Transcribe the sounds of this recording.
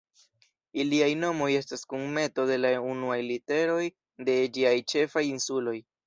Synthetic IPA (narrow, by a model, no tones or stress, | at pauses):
iliajno̞mo̞je̞staskuŋme̞to̞de̞launuajlite̞ɾo̞j | de̞d͡ʒiajt͡ʃe̞fajinsulo̞j